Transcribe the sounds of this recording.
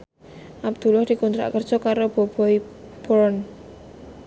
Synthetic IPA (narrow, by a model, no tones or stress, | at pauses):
ʔab̚d̪̥ṳlʊhd̪̥i̤kunt̪ɾa̰ʔkərd̥ʒ̥ɔ̤kaɾob̥o̤b̥ɔib̥ɔɾn